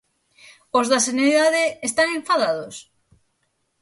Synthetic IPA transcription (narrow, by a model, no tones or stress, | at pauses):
ozðaseneiðaðeːst̪anẽ̞ɱfaðað̞os